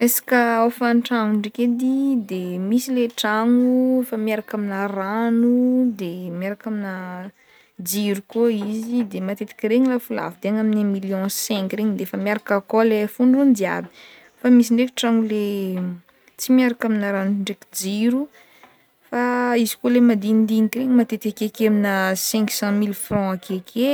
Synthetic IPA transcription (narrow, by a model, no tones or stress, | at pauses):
esḁkəofanʈ͡ʂaŋuɳɖ͡ʐeked̪id̪emisileʈ͡ʂaŋufamiaɾakaminaranud̪emiaɾakamina | d͡ziɾukoizid̪emat̪et̪i̥kʲɾeɲilafula̰vud̪eaŋaminamiljɔ̃sɛ̃kreɲid̪eefəmjaɾakakolefuɳɖ͡ʐund̪ia̰ɾi | famis̬iɳɖ͡ʐeki̥ʈ͡ʂaŋule | t͡simiaɾakaminaɾanuɳɖ͡ʐekid͡ziɾu | faizi̥kolemad̪ind̪inikiɾeɲimat̪et̪akekeminəsɛ̃ŋksɑ̃milfrɔ̃akekʰe